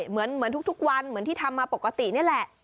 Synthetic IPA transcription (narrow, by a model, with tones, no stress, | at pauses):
mɯ˩˦ənmɯ˨˩˦ənt̪u˦˥k̚t̪u˦˥k̚wa˧nmɯ˩˦ənt̪ʰiː˥˩a˧mːaː˧po˨˩ka˧t̪ḭ˨˩ni˦˥˩ə˨lɛ˨˩ʔ